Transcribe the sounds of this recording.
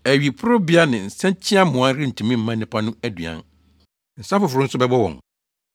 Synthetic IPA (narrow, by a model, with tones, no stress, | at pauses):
æ˨ɥi˨pʰʊ˦ɾʊ˦bi˦a˦nɪ̃˨n̩˨sɛ̃˦t͡ɕʰĩ˦a˦mʊ̃˨ã˦n˦ɾɪ̃˦n̩˨tʰũ˨mĩ˦m̩˦mã˦nɪ̃˦pʰa˦nʊ̃˦æ˦dɥã̰˨n | n̩˨sa˦fʊ˨fʊ˨ɾʊ̃˦n̩˦sʊ˦bɛ˦bɔ˦wɔ̰̃˨ŋ